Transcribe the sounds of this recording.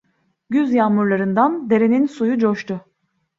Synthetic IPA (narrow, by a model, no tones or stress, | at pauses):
ɟyzjaːmuɾlˠaɾɯnd̪and̪e̞ɾe̞ninsujud͡ʒoʃt̪ʰʊ